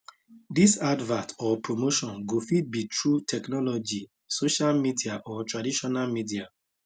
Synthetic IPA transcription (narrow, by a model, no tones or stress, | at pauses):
disadvãtɔpɹomoʃɔ̃nɡofit̚bitʰɹutʰɛknɔlɔd͡ʒi | soʃalmidiaʔɔtɹadiʃɔnalmidia